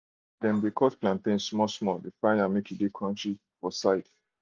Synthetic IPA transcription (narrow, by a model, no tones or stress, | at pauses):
dɛ̃nbikʰɔsplãntẽnsmɔsmɔdefãɪnamekʰudekʰɔ̃ntʰɹi | fɔsaɪt